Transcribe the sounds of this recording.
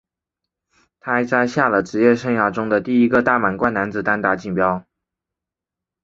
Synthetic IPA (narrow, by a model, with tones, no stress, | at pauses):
t̪ʰa˥t͡sa˥˧ɪɕja˥˩lə˩ʈ͡ʂɻ̩˧˥jɛ˥˧ʂɤ˥˧ŋjɑ˥˩ʊʈ͡ʂʊ˥ŋd̪ə˨t̪i˥˩i˧˥ɡə˧t̪a˥˩ma˨˩nkwa˥nna˧˥nd͡zɹ̩˧t̪a˥nt̪a˥˩t͡ɕi˥˩ŋpjɑ˥ʊ